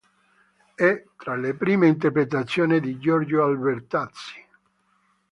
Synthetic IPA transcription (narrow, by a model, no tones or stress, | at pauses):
ɛt̪ɾalepɾiːmeint̪erpɾet̪at̪sːjoːnid̪id͡ʒɔrd͡ʒoalbert̪at̪si̥